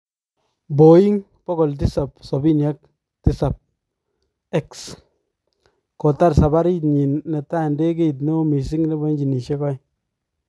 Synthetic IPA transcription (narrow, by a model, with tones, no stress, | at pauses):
bo˨i˦ŋ | pɔ˦kɔ˨lt̬i˦sa˨psɔ˨bi˦nja˦k̚ | ti˦sa˨p̚ | ɛ˦ks | ko˨ta˦ɾsa˨ba˦ɾi˦tɲi˨nːe˨ta˦˨nde˦ke˦˨t̬no˦mi˨si˦ŋne˦bɔ˦ɲd͡ʒi˨ni˨ʃe˦kɔ˦